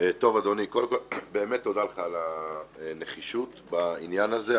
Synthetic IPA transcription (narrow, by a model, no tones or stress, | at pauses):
t̪o̞vad̪o̞nikolemkobe̞ːmet̪ːod̪alχaːla | ne̞χiʃut̪bainjanaze